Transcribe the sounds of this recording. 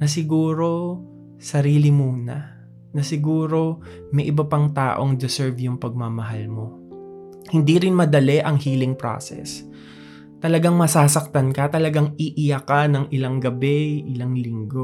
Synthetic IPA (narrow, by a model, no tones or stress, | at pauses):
nɐsɪɡuːɾo̞ | sɐɾiːlɪmunɐ | nɐsɪɡuːɾo̞ | mɐjʔɪbɐpɐŋt̪a̰ːʔo̞ŋd̪ɪsɛɹvjʊŋpɐɡ̚mamɐɦalmo̞ | hɪnd̪iɾɪnmɐd̪ɐlɛʔɐŋhiːlɪŋpɾo̰ːsɛ̰s | t̪ɐlɐɡaŋmɐsaːsɐk̚t̪ɐnkɐt̪ɐlɐɡaŋiʔɪjakanɐŋʔɪlaŋɡɐbɛʔɪlaŋlɪŋɡo̞